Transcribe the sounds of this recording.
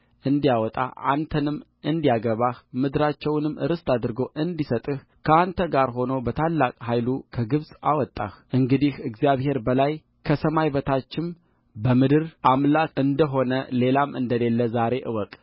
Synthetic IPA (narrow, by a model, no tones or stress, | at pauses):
ʔɨnd̪ijawɔt̪ʼa̰a̰nt̪ʰənɨm | ɨnd̪ijaɡəβahmɨd̪ɨɾat͡ʃːɛwnɨmːɨ̰ɾɨst̪ʰad̪ɾɨɡo̞ʔɨnd̪isət̪ʼɨh | kʰəant̪ʰəɡaɾɦo̞nobət̪ʰalːakʼhajlukʰəɡɨβsʼa̰wɔt̪ʼːa̰hʔɨŋɡɨd̪ihɨɡzijaβhe̞ɾbəlaj | kʰəsəmajbət̪ʰat͡ʃːɪm | bəmɨd̪ɨɾʔamlakɨnd̪əɦo̞nəle̞lamʔɨnd̪əle̞lːəzaɾe̞ʔɨwɔkʼ